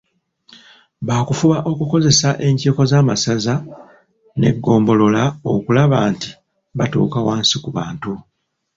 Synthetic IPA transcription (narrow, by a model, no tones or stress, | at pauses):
βaːkufuβaʔo̞kuko̞ze̞saʔe̞ɲciːko̞zaːmasaza | ne̞̰ɡːo̞ːmbo̞lo̞lao̞kulaβaːnti̥ | βatṵːkawaːnsikuβaːntu